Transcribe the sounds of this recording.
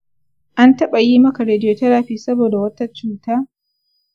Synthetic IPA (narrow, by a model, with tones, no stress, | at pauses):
ʔa˦ntɐ˦ɓa˨jiː˦mɐ˦ka˨ɾeː˨dɪ˦joː˨tɐ˦ɾaː˨ɸiː˦sɐ˦boː˨da˨wɐ˦tɐ˦t͡ʃuː˦taː˦